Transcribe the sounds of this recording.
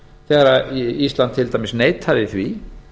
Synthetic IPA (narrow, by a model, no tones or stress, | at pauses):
θɛːɣaɾaist̪lant̪ʰːɪlt̪ajmɪsneːjt̪ʰaðɪθvi